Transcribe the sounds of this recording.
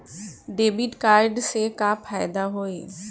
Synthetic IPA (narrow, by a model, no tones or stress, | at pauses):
ɖeːbiʈkaːɾɖsekafʰaːɪd̪aɦoːeː